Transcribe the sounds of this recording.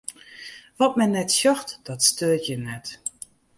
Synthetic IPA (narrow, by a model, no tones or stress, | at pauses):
ʋɔtmɛnːɛtsjɔxtd̥ɔtstøːtjənɛt